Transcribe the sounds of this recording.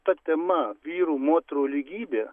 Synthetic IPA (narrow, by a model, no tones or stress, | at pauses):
t̪ɐt̪ʲɛmɐʋʲiːɾuːmoːt̪ɾoːlʲiɡʲiːbʲeː